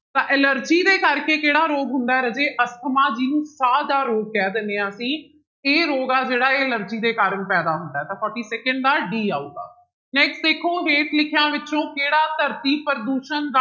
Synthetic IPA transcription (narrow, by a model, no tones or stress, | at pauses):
t̪ãːʔɛləɾd͡ʒiːd̪eːkəɾkeːkeːɽaːɾoːɡɦʊnd̪aːɛɾəd͡ʒeːʔəsk̪ʰəmaːd͡ʒiːnũːsaːld̪aːɾoːɡ̚kɛːd̪ɪneːãːəsĩː | eːɾoːɡaːd͡ʒeːɽaːeːələɾd͡ʒiːd̪eːkaːɾənpɛːd̪aːɦʊnd̪aːɛːt̪ãːpʰɔːʈiːsɛːkəɳɖ̚d̪aːɖiːaːut̪a̰ː | nɛːksʈd̪eːkʰoːɦeːʈlɪkʰjãːʋɪt͡ʃõːkeːɽaːt̪əɾt̪iːpəɾd̪uːʃənd̪a